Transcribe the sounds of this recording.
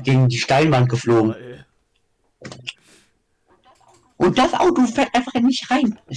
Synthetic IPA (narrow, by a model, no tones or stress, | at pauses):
ɡ̥eːɡŋ̩diːʃtaɪnvant̚ɡ̥əfloːɡŋ̩ | ʔʊnt̚d̥asʔa̰ʊd̥uːfɛːɐtʔaɪnfaχɪnːɪçʁaɪn